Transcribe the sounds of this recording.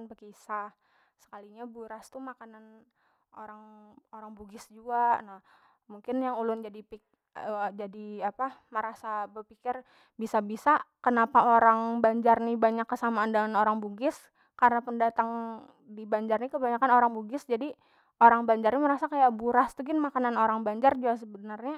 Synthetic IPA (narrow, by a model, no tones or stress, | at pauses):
nbəkisa | sə̥kaliɲabuɾast̪umakanan | o̰ɾaŋoɾaŋbuɡɪsd͡ʒuanah | muŋkɪnjaŋulʊnd͡ʒadipi | əd͡ʒadiapaməɾasabərpikɪr | bisabisakənapaoɾaŋbaɲd͡ʒarnibaɲakːəsamaːndəŋanoɾaŋbuɡɪs | karnapəndat̪aŋ | dibaɲd͡ʒarnikəbaɲakanoɾaŋbuɡɪsd͡ʒadi | oɾaŋbaɲd͡ʒarniməɾasakajaʔbuɾast̪uɡɪnmakananoɾaŋbaɲd͡ʒard͡ʒuas̬əbənərɲa